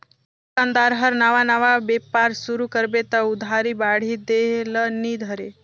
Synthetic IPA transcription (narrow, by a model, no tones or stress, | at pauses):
kãnd̪aɾɦəɾnaʋanəʋabepaɾsuɾukəɾbet̪əud̪ʱaɾibaɽ̤id̪elənid̪ʱəɾe